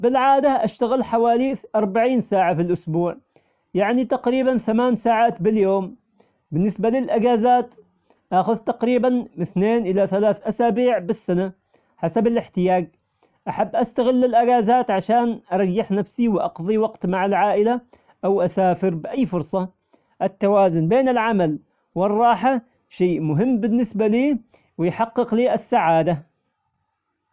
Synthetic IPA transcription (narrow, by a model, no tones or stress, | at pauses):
bɪlʕaːd̪aʔaʃt̪aɣɪlħawaːliʔɑɾˤbaʕiːnsaːʕafilʔʊsbuːʕ | jaʕnit̪ɑqɾiːbanθamaːnsaːʕaːt̪bɪljoːm | bɪnːɪsbalɪlʔaɡaːzaːt̪ | ʔaːxʊðt̪ɑqɾiːbanɪθneːnʔɪlaθalaːθʔasaːbiːʕbɪsːana | ħasabɪlʔɪħt̪ɪjaːɡ̚ | ʔaħabːʔast̪aɣɪlːɪlʔaɡaːzaːt̪ʕaʃaːnʔɑɾˤɑjːɪħnafsiwɪʔɑqðˤiwɑqt̪maʕalʕaːʔɪla | ʔawʔasaːfɪɾbɪʔajːfʊɾsˤɑ | ʔɪt̪ːawaːzʊnbeːnɪlʕamal | wɪrˤːɑːħa | ʃeːʔmʊɦɪmːbɪnːɪsbaliː | wɪjħɑqːɨqliːʔasːaʕaːd̪a